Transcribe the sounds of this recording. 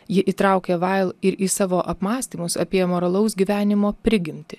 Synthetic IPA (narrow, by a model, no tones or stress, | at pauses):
jɪʔit̪ɾɑˑʊkʲeːʋɐɪlˠɪɾʔiːsɑːʋoːʔɐpmɑːsʲt̪ʲiːmʊsɐ̰pʲiɛmoːɾɐlˠɐʊsɡʲiʋʲæːnʲɪmoːpʲɾʲɪɡʲɪmʲt̪ʲɪ